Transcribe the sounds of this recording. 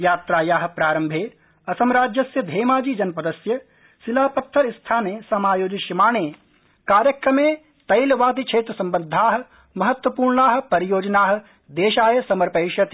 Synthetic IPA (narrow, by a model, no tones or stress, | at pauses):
jaːt̪ɾaːjaːɦɐ̆pɾaːɾɐmbʱeː | ɐsɐmɾaːd͡ʒjɐsjɐd̪ʱeːmaːd͡ʒiːd͡ʒɐnpɐd̪ɐsjɐ | silaːpɐt̪ʰːɐɾist̪ʰaːneːsɐmaːjoːd͡ʒiʃimaːɳeː | kaːɾjɐkɾɐmeː | t̪ɐjlʋaːd̪ikt͡ʃʰeːt̪ɾɐsɐmbɐnd̪ʱaːɦɐ̆ | mɐɦɐt̪ʋɐpuːɾɳaːɦɐ̆pɐɾijoːd͡ʒɐnaːɦɐ̆ | d̪eːʃaːjɐsɐmɐɾpɐjʃɐt̪